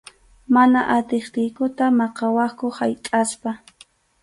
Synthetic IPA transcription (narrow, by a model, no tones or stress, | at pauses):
manaʔat̪ɪχt̪ɪjkʊt̪amɑqɑwɑχkʊhajtʼaspa